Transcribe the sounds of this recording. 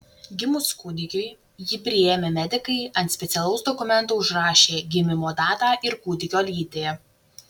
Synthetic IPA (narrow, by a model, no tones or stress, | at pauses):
ɡʲɪmʊskuːd̪ʲɪkʲʊɪ | jɪpʲɾʲɪeːmʲeːmʲɛd̪ʲɪkɐɪɐnt̪sʲpʲɛt̪sʲɛlˠɐʊsd̪ɔkʊmʲɛnˑt̪uːʊʒɾɑːʃʲeːɡʲɪmʲɪmoːd̪ɑːt̪ɑːʔɪɾkuːd̪ʲɪkʲoːlʲiːd̪ʲeɛ